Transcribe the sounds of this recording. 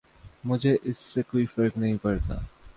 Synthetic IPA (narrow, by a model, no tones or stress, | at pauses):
mʊd͡ʒʱeʔɪsːekoːifɐɾknɐɦĩpɐɾt̪a̰ː